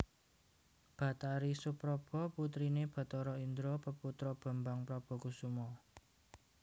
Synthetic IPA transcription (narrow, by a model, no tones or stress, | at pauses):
b̥a̤t̪aɾisupɾɔb̥ɔ̤put̪ɾineb̥a̤t̪ɔɾɔind̪ɾopəput̪ɾɔb̥ə̤mbaŋpɾɔb̥ɔ̤kusumɔ